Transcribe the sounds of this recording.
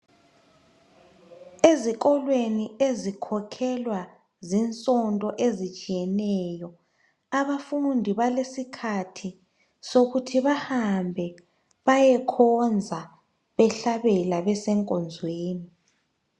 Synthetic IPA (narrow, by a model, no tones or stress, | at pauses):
eziɣʼɔlweniezikʰɔkʰɛlwa | zint͡sʼɔntʼɔʔezit͡ʃʼijɛnɛjɔ | aβafundʱiβalesikʰatʰi | soɣutʰiβahambʱɛ | βajɛkʰɔnd͡zʱa | βɛɬaβɛlaβɛsɛŋkʼɔnd͡zʱweːni